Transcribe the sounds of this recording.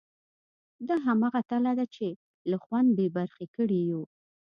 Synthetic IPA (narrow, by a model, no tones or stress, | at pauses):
d̪aɦamaɣat̪alad̪at͡ʃe | laxwand̪̚bebaɾxekəɽiju